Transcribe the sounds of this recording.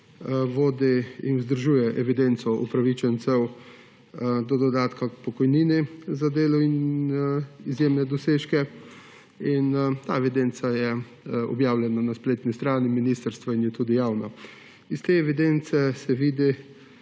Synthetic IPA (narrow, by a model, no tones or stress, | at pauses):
ʋoːd̪iḭnuzd̪əɾʒuːjɛʔɛʋid̪ent̪sɔʔṵpɾaʋit͡ʃɛnt̪sɛw | d̪ɔd̪ɔd̪aːt̪kapɔkɔjniːnizad̪eːlɔin | izjemnɛd̪ɔseːʃkɛ | int̪aːɛʋid̪ent̪sajɛ | ɔ̰bjaːwlʲjɛnanaspleːt̪nist̪ɾaːniminiːst̪əɾst̪ʋainjɛt̪uːd̪ijaːwna | ist̪eːɛʋid̪ent̪sɛsɛʋiːd̪i